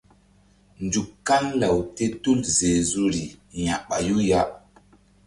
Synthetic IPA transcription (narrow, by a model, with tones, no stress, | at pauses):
nd͡ʒu˨kːa˦nla˨wte˦tu˦lze˨zu˦ɾi˨ja˨ɓa˨ju˦ja˦